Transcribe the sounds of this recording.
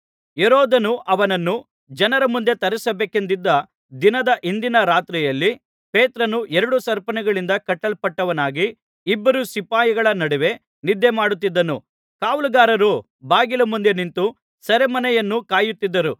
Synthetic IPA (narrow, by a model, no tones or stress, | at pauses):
eɾɔːd̪ɐnuʔɐʋɐnɐnːu | d͡ʒɐnɐɾɐmund̪e̞t̪ɐɾɛsɐbeːkend̪id̪ːɐ | d̪inɐd̪ɐʔind̪inɐɾaːt̪ɾijɐlːi | peːt̪ɾɐnuʔɛɾɐɽusɐɾpɐnɛɡɐɭind̪ɐkɐʈːɐlpɐʈːɐʋɐnaːɡiː | bːɐɾusipaːjɐɡɐɭɐnɐɽɛʋe̞ | nid̪ʱːemaːɽut̪ːid̪ːɐnu | kaːʋulɐɡaːɾɐɾu | baːɡilɐmund̪e̞nint̪u | sɐɾemɐnɛjɐnːukaːjut̪ːid̪ːɐɾu